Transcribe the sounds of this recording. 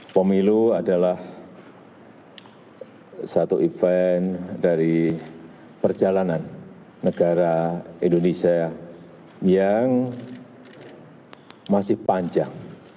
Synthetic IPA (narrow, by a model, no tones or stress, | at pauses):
pəmiluadalah | sat̪uifɛndaɾi | pərd͡ʒalananː | əɡaɾaindonesia | jaŋ | masɪhpaɲd͡ʒa̰ŋ